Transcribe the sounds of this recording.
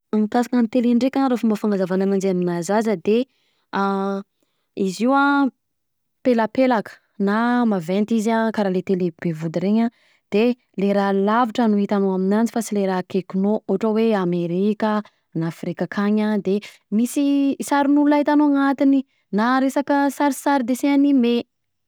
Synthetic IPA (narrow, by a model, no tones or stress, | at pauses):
amikasakanit̪eleɳɖ͡ʐekʲaɾafumbəfaŋɡazavananand͡ʒeaminazazəd̪e | a | iziwa | peləpelakə̥ | namavɛnt̪izakaɾalet̪eleb̥evud̪iɾeɲa | d̪̥e | leɾalaviʈ͡ʂənuɦit̪anoaminant͡sifasileɾakekinoʔuɦaʈ͡ʂəweameɾikə | nafrikakʰaɲad̪e | misisaɾinuulait̪anoŋat̪ini | naɾesakəsaɾisaɾid̪eseanime